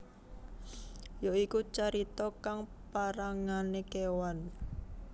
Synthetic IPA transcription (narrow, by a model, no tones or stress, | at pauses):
joikut͡ʃaɾit̪ɔkaŋpaɾaŋanekewan